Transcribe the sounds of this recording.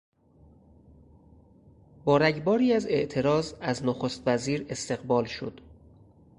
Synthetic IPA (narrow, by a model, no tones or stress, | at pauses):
bɒːɾæɟbɒːɾiːæze̞ʔt̪ʰe̞ɾɒːzæznoxost̪væziːɾe̞st̪e̞ɣbɒːlʃo̰d̪̥